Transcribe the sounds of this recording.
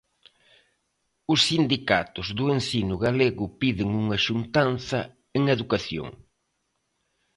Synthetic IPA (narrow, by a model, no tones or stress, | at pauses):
ʊsːind̪ikat̪ʊzðʊensinʊɣaleɣʊpiðɪŋuŋɐʃunt̪anθɐ | eŋeðukaθjo̰ŋ